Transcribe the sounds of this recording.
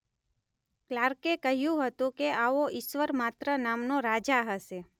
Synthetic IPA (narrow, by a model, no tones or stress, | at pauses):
klaɾkekəɦjũɦət̪ũkeaoʔɪʃʋəɾmat̪ɾənamnoɾad͡ʒaɦəʃe